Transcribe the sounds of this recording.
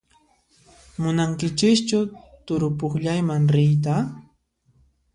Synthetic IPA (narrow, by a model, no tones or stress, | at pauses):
mʊnaŋkɪt͡ʃɪkt͡ʃʊ | t̪ʊɾʊpʊχʎajmaŋɾɪjt̪a